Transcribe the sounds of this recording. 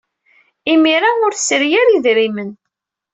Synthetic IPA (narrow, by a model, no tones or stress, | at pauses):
imiɾaʊɾθsəɾjæɾiðɾimən